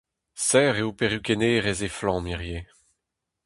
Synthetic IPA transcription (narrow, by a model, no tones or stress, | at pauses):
sɛːʁeupeʁjykeneːʁezeflɑ̃ːmiʁje